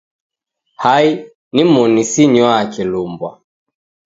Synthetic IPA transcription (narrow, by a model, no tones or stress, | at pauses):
hai | nimɔnisiɲwɔaakilumbwa̰